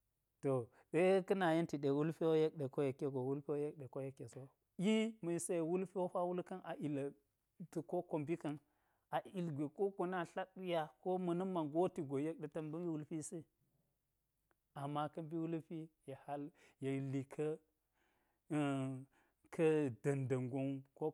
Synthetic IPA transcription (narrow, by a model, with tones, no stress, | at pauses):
to˨ | ɗe˦kə˦na˨je˦nti˨ɗe˨wu˦lpi˦wo˦je˦k̚ɗe˨ko˦je˨ke˦ɡo˨wu˦lpi˦wo˦je˦k̚ɗe˨ko˦je˨˦kːe˨so˦ | ji˦mɐ˨i˨se˦je˨wu˦lpi˦wo˦ɸa˦wu˦lkɐ˦nʔa˨ʔi˨la˨ | tu˨ko˦ko˨mbi˦kɐ˦n | a˨i˨lɡʷe˨ko˦ko˨na˦ɬa˦u˦ja˦ko˦mɐ˨nɐ˦mːa˨ŋɡo˦ti˨ɡo˨je˦k̚ɗe˨tɐ˦mbɐ˦mji˦wu˦lpi˦si˦ | a˨mːa˦kɐ˦mbi˦wu˦lpi˦ja˨ha˦lje˨li˨kʰɐ˦˨ | kʰɐ˦dɐ˨ndɐ˨ŋɡo˦nko˦